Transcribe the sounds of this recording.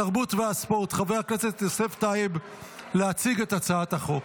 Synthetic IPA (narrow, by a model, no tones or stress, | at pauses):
aʁbutveaspoʁt̪χavejakneset̪eseftaeb | leat͡siɡe̞tat͡saataχo